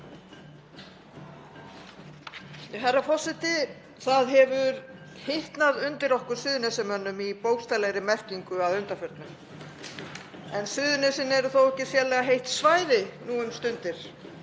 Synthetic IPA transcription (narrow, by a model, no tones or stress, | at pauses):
ɦɛrːafɔsɪt̪ɪ | θaðɦɛvʏɾ | heht̪naðʏnt̪ɪɾɔhkʏɾ̥sʏːðʏnɛsɛmœnːʏmipowxst̪alɛɣɾɪmɛr̥ciŋkʏaðʏnt̪afœɾt̪nʏm | ɛnsʏːðʏnɛsɪnɛɾʏθowɛhcːɪsjɛɾlɛɣaɦejht̪svaːjɾɪnuːʏmst̪ʏnt̪ɪɾ̥